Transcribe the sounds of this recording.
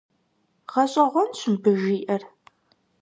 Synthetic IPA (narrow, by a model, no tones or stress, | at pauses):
ʁɐɕʼɐʁʷɔnɕɨmbɨʒiːʔɐr